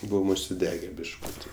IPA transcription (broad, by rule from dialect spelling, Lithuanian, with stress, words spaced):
ˈbʊʋoːm ʊʃʲsʲɪˈdʲæːɡʲɛ bʲɪʃˈkʊtʲɪ